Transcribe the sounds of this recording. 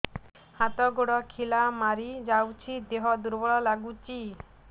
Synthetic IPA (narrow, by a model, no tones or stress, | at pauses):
hat̪ɔɡoɽɔkʰilamaɾid͡ʒawt͡ʃʰid̪eɦɔd̪uɾbɔɭɔlaɡut͡ʃi